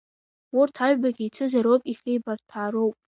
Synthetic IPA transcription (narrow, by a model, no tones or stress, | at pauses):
urtʰaɥᶣbaɡʲit͡sʰɨzaɾowpʼiχʲejbartʰaːɾowpʼ